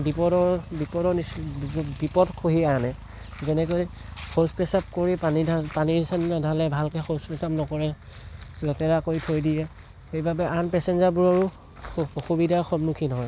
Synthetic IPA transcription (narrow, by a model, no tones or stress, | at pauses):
bipɔdɔɹbipɔdɔnisbipɔdkʰoɦianɛ | zɛnɛkoj | kʰospɛsap̚koɹipanidʱapaniisanadʱalɛbʱalkɛxospɛsapnɔkɔɹɛ | lɛtɛɹakoitʰojdijɛ | xejbabɛʔanpɛsɛnzaɹbuɹɔɹu | oxubidʱaɹxɔbnukʰinɔɦɔj